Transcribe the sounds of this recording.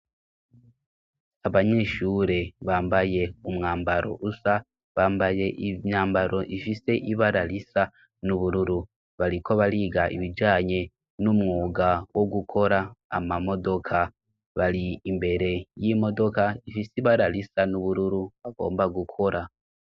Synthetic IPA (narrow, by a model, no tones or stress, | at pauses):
aβaɲeːʃuːɾe̞βaːmbaje̞umŋaːmbaɾo̞̰ʔusa | βaːmbaje̞ʔiɲaːmbaɾo̞ʔifise̞ʔiβaɾalisa | nuβuɾuɾu | βalikʰo̞βaliɡaʔḭβid͡ʒaːɲe | numŋuːɡawo̞ɡukʰo̞ɾa̰ːmamo̞do̞kʰa | βaliːmbe̞ɾe̞jimo̞do̞kaifisiβaɾalisanuβuɾuɾuβaɡo̞̰ːmbaɡukʰo̞ɾa